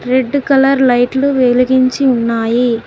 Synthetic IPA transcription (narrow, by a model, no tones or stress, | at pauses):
ɾe̞ɖːkɐlɐɾlɐjʈluʋeluɡiɲt͡ʃiunːaːji